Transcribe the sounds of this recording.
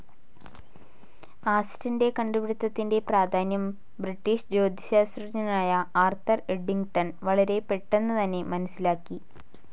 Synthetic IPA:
aːsi̥tɐnde̞kɐɳɖuʋiɽut̪ːɐt̪ːinde̞praːd̪ʱaːnjɐm | briʈːiːʂd͡ʑo̞ːd̪ʱiɕaːsrɐɲɐnaːjɐaːrt̪ʰɐreɖːiŋɡʈɐnʋɐɭɐɾe̞pe̞ʈːenːɐt̪ɐnːe̞mɐnɐsilaːkːi

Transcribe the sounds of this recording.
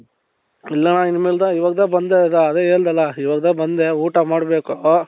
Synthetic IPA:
ilːɐnainmeːld̪aiʋaːɡɐd̪ɐbɐnd̪ed̪ɐːd̪eeːɭd̪ɐlːɐiʋaːɡɐd̪ɐbɐnd̪e̞uːʈɐmaːɖbeːku

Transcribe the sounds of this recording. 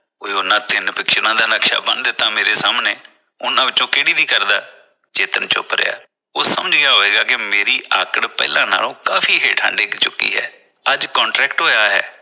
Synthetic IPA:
koːeːʊnãːt̪ɪnpɪkʃnãːd̪aːnəkʃa̰ːbənd̪t̪ãːmeːɾeːsaːmneː | ʊnãːʋɪtːt͡ʃõːkeːɽiːd̪iːkəɾd̪aː | d͡ʒeːt̪ənt͡ʃʊ̰pɾḛja̰ː | oːsəməd͡ʒɡɪjaːɦoːeːɡaːkɪmeːɾiːʔaːkəɽpɛ̰ːlãːna̰ːlõːkaːfʰiːɦeːʈʰa̰ːɳɖeːkt͡ʃʊkːḭːɦɛ̰ː | əd͡ʒkɔ̃ːɳʈɾɛːkʈɦoːjaːɦɛ̰ː

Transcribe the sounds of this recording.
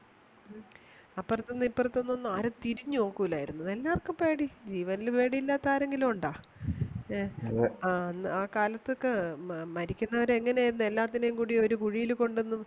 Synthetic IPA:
ɐpːɐrt̪ːenːipːɐrt̪ːonːonːɨaːɾot̪iɾiɲːuoːkːuːlaːjiɾunːunelːaːrkːumpe̞ːɽid͡ʑiːʋɐnilpe̞ːɽijilːaːt̪ːaːɾe̞ŋɡilumuɳɖaː | aːnːɨaːkaːlɐt̪ːokːemɐɾikʲːunːɐʋɐɾeŋːɐneaːjiɾunːue̞lːaːt̪ːinejuŋkuːɽio̞ɾukuɻijilko̞ɳɖenːu

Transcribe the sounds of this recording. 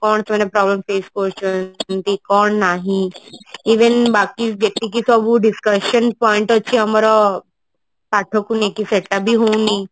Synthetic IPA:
kɔːɳt̪mẽɾepɾɔːbləmfeːskoɾt͡ʃt̪ikɔːɳnaːɦĩiːʋenbaːkisd͡ʒet̪ik̬isɔbuɖɪskəʃənpɔːɪ̃ɳʈətːʃʰiɦɐmɾɔ | paːʈʰokunekiseʈʈabʱiɦoũni

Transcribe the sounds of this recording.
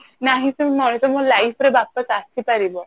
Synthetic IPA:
naɦĩsemɔɽ̃it̪ɔmolajfɾebapːəsast̪ʰipaɾibɔ

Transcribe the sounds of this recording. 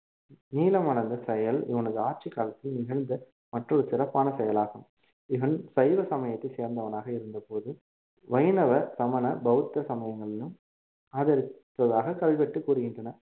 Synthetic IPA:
niːlɐmɐnɐnd̪ɐsɛjɐlɪʋɐnɐðɯaːʈ̚t͡ʃikːaːlɐt̪ːɪlnɪɣɐɻnd̪ɐ | mɐʈrɔɽɯsɪɾɐpːaːnɐsɛjɐlaːɣɯm | ɪʋɐnsɐjʋɐsɐmɐjɐt̪ːɐɪseːɾnd̪ɐʋɐnaːɣɐɪɾɯnd̪ɐpoːðɯ | ʋɐɪnɐʋɐsɐmɐnɐbɐɣɯt̪ːɐsɐmɐjɐŋɡɐɭɐnɯm | ɐːðɐɾɯt̪ːɐðaːɣɐkɐʋɪʋɛʈːɯkuːɾɯɣɪndrɐnɐ

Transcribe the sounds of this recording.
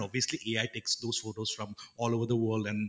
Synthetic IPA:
ɔbiəsliʔeaɪʈeksd̪oːsfoʈosfɾɔ̃mɔːloːʋəɾd̪əwəlɖɛ̃n

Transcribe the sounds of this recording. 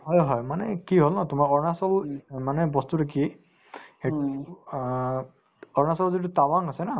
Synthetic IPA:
ɦɔjɦɔjmanɛkiɦolnatʊmaɹɔɹnasɔlmanɛbɔstuɾeki | e | ɔɹnasɔbzit̬utawaŋasɛna

